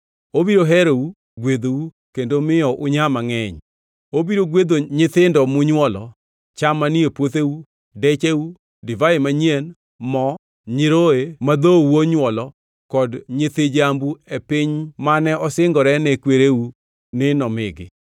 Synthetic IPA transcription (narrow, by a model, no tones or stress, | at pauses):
obiɾoɦɛɾou | ɡwed̪ou | kendomɪɔʔʊɲamaŋɛɲ | obiɾoɡwed̪oɲɪt̪ɪndɔmʊɲwɔlɔ̰ | t͡ʃamaniepwot̪eu | dɛt͡ʃeu | dɪvaɪmaɲien | mɔ | ɲɪɾoemad̪owuoɲwɔlɔ | kɔdɲɪt̪ɪd͡ʒambuepɪɲmanɛʔɔsɪŋɡɔɾɛnɛkweɾeu | nɪnɔmɪ̰ɡɪ̰